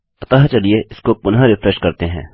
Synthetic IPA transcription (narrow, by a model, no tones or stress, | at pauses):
ɐt̪aɦt͡ʃɐlieʔɪskopʊnɦaɾɪfɾɛʃkɐɾt̪eɦɛ̰̃ː